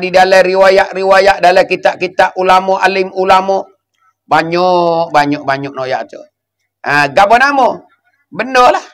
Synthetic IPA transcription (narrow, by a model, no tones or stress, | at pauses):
didaləɾiwajaʔriwajaʔdaləkit̪aʔkit̪aʔulamɔʔalimulamɔ | baɲɔk̚baɲɔʔbaɲɔʔ̚noja̰ʔt̪u | ʔəɡabɔnamo | bəndolah